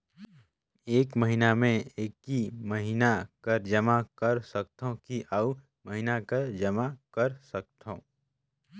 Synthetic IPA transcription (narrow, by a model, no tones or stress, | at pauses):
eːkməɦinamẽeːkiməɦinakɐɾd͡ʒəmakəɾsək̚t̪õkiʔa | mɐɦinakɐɾd͡ʒɐmakɐɾsɐk̚t̪ʰõ